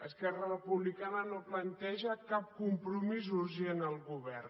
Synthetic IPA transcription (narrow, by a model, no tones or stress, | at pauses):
əskɛrərəpuβlikanənoplənt̪ɛʒəkap̚kumpɾumizuɾʒenəlˠɣuβɛr